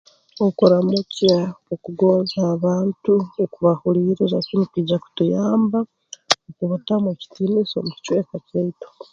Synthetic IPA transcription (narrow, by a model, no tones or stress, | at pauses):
okoɾamucaokuɡo̞ːnzaːβaːntuokuβahuliɾiɾasinikwiɟaku̥tujaːmba | okuβutamweci̥tiniso̰muci̥cweːkaceito̥